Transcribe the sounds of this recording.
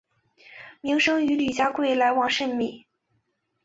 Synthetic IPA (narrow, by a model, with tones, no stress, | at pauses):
mi˧˥ŋʂɤ˥ŋy˧˥ly˨˩t͡ɕja˥kwe˥˩ɪla˧˥ɪwɑ˨˩ŋʂə˥˧nmi˥˩